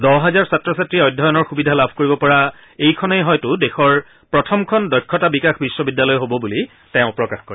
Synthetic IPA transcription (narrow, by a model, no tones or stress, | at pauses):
dɔɦɛzaɹsatɹɔsatɹiɔjdʱːɔjɔnɔɹxubidʱalabʱkoɹibɔpɔɹa | ejkʰɔnɛjɦɔjtʊdexɔɹ | pɹɔtʰɔmkʰɔndɔjkʰːɔtabikaxbisːɔbidːalɔjɦobɔbuli | tɛ̃ʊ̃pɹɔkaxkoɹɛ